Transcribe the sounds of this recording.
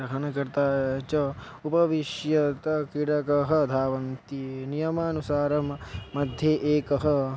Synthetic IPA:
ɾɐɦɐnɐkɐɾt̪aːt͡ʃɐ | upɐʋiʃjɐt̪ɐkiɽɐkɐɦɐ̆d̪ʱaːʋɐnt̪inijɐmaːnusaːɾɐmːɐd̪ʱjeːʔeːkɐɦɐ̆

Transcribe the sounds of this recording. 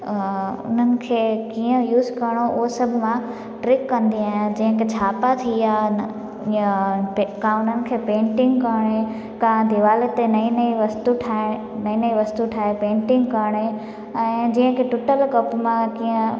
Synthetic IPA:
ʊ̰n̤ənɪ̆kʰeːkiːə̃juːzkɐɾɽ̃oʔʊɦosɐbʱmã | ʈɾɪkːɐ̃nd̪iaːɦɪ̃nd͡ʑĩɦə̃kʰet͡ɕʰaːpat̪ʰija | kãʊn̤ənɪ̆kʰeːpẽːɳʈɪ̃ŋɡkəɽ̃e | kãd̪ʱɪʋaːlet̪enɐĩniʋɐst̪uʈʰaː | nɐĩnɐĩʋɐst̪uʈʰaːepẽːɳʈɪ̃ŋɡkaɽ̃e | ɛ̃ːd͡ʑĩːə̃kʰeʈʊʈəlkɐpmãkiːə̃

